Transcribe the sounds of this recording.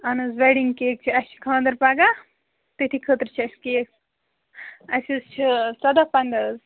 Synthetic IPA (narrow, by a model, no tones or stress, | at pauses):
ɐnɨzʋeɖiŋkeːk̚t͡ʃʰiɐst͡ʃʰi̥kʰãːnd̪əɾpaɡa | t̪et̪ʰikʰət̪ɾt͡ʃʰɐskeːk | ɐsist͡ʃʰit͡sɐd̪apɐnd̪ɐz